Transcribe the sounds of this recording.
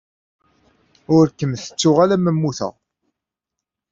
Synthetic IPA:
ʊɾkːəmθə̥t͡sːʊʁalæməmːuθə̰ʁ

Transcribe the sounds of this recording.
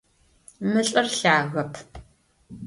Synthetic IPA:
mɨɬʼɨrɬaːɣɐpʰ

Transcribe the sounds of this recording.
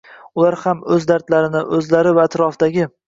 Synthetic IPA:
ʊlaɾhamɵzd̪aɾt̪laɾɪnɪʔɵzlaɾɪvaːt̪ɾɒfd̪aɡʲɪ

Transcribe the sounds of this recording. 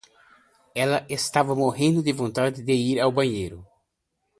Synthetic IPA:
ɛlɐʔest̪avɐmoɦẽnd̪ʊd̪ɪvõnt̪ad̪ɪd̪ɪiɾawbɐ̃ɲejɾʊ

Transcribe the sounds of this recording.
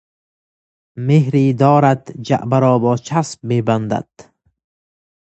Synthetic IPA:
mehɾiːd̪ɔːɾad̪d͡ʒa̰ʔbaɾɔːbɒːt͡ʃʰasb̚meband̪a̰d̪̥

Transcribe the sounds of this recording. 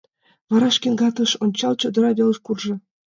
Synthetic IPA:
vɑɾɑʃkʲenɡɑt̪ɤ̆ʃonʲt͡ɕɑlˠt͡ɕod̪ɤ̆ɾɑβʲelə̆ʃkurʒɤ̆

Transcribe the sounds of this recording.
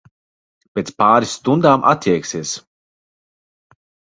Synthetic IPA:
pʲet̪spaːɾisːt̪und̪aːmʔa̰t̪ʲjiɛksiɛs

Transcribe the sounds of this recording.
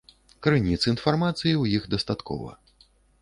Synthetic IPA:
kɾɨnʲit̪sɨinfarmat̪sɨjiwjixd̪ɐst̪at̪kʰɔ̰vɐ̰

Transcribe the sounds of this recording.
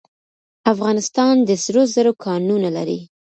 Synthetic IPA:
afɣɑnɪst̪ɑnd̪əsɾozəɾokʰɑnunala̰ɾi

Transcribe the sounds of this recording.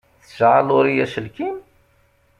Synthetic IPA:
θəʃʕalʊɾijæʃəlkim

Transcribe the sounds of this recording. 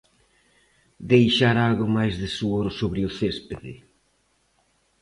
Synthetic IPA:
d̪ejʃaɾalɣʊmajzðɪsuoɾsoβɾɪʊθespeðɪ̰

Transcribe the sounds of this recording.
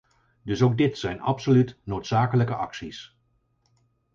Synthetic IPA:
dɵsowɡ̚dɪtsɛjnɑ̰psolytnowtsaːkələkəʔɑ̰ksis

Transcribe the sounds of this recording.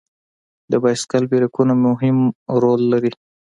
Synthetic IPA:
d̪əbɑjskalbiɾakunamʊɦɪmɾolːaɾi

